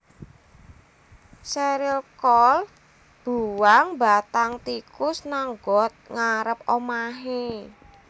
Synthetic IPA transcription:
seɾɪlkɔl | b̥uwaŋba̤t̪aŋt̪ikʊsnaŋɡɔt̪̚ŋaɾəp̚omaɦe

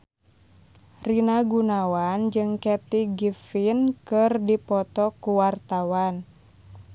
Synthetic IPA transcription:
rinaɡunawand͡ʒɨŋkɛt̪iɡifinkɨrdipɔt̪ɔkuwart̪awan

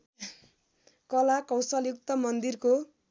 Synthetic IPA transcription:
kʌlakʌ̃w̃sʌljuk̚t̪ʌmʌnd̪irko

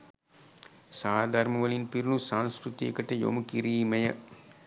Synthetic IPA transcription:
saːd̪aɾmɐʋɐlinpiɾunusaːnskɾut̪ijɐkɐʈɐjo̰mukiɾiːmɐjɐ

